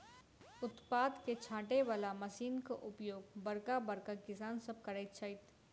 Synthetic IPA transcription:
ʊt̪paːd̪ket͡ʃʰaːʈeʋaːlamɐsiːnkaʔʊpjoːɡbɐɾkabɐɾkakɪsaːnsɐb̚kɐɾəɪt̪t͡ʃʰaɪt̪

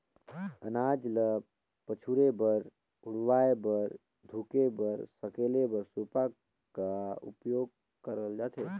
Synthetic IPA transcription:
ənaːd͡ʒlə | pət͡ʃʰuɾebəɾ | ʊɽʋaːebəɾ | d̪ʱukebəɾsəkeːlebəɾsupa | kaʊ̰pjoːɡ̚ | kəɾəld͡ʒaːt̪ʰeː

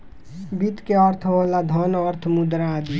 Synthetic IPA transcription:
bit̪keɔːɾt̪ʰoːlad̪ʱɔnɔːɾt̪ʰmud̪ɾaːd̪i

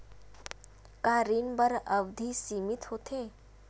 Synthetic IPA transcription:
kaːɾiːnbəɾəbd̪ʱisiːmɪt̪ɦoːt̪ʰeː

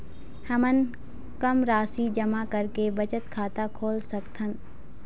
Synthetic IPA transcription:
hɐmən | kɐmɾaːsiːd͡ʒɐmakɐɾkebɐt͡ʃət̪kʰaːt̪akʰoːlsɐkt̪ʰən

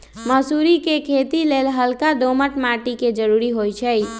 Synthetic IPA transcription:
məsuɾikekʰet̪ilelɦəlkad̪oməʈmaʈiked͡ʒəɾuɾiɦojt͡ʃʰəj

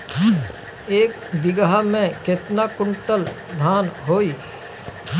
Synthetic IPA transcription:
eːk | bɪɡɦamẽkɪt̪nakʊɳʈəl | d̪ʱaːnɦoːiː

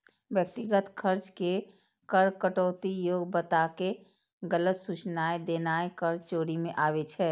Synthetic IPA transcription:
ʋjək̚t̪iɡət̪kʰəɾt͡ʃke | kəɾkəʈoːt̪ijoːɡbət̪ake | ɡələt̪sut͡ʃnaːed̪eːnaːekəɾt͡ʃoːɾimẽʔaːʋet͡ʃʰɛː

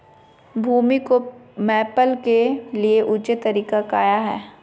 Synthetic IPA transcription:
bʱuːmikomɛːpəlkelieʔʊt͡ʃet̪ɐɾiːkakaːjaɦɛː

